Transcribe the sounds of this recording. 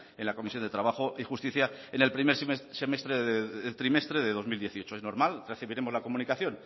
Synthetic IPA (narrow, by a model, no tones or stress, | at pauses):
e̞nlako̞misjo̞nd̪et̪ɾaβ̞aχoʔixust̪iθjaenelpɾimeɾsemest̪ɾeðet̪ɾime̞st̪ɾeðe̞ðo̞zmild̪je̞θiot͡ʃoeznoɾmalreθiβiɾe̞mo̞zlako̞mũnikaθjo̞n